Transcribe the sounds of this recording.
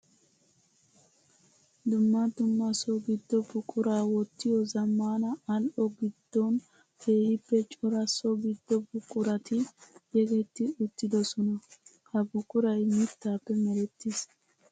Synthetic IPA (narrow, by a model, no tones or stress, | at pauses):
d̪ʊmːɐd̪ʊmːɐsɔɡɪd̪ːɔbʊkʼʊɾaːwɔt̪ːɪjɔzɐmːaːnɐɐlʔɔɡɪd̪̥ːɔn | heːjɪpːɛt͡ʃʼʊɾɐsɔɡɪd̪ːɔbʊkʼʊɾɐt̪ɪjɛɡɛt̪ːɪʊt̪ːɪd̪ɔsɔnɐ | hɐbʊkʼʊɾɐjmɪt̪ːaːpːɛmɛɾɛt̪ːɪs